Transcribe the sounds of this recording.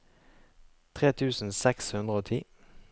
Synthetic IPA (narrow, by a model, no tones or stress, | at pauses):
t̪ʰʁeːt̪ʰʉːsn̩sɛkshʉnd̪ʁəoːt̪ʰiː